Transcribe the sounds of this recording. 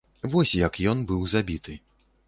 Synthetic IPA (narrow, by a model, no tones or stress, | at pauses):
vɔsʲjɐkjɔnbɨwzabʲit̪ʰɨ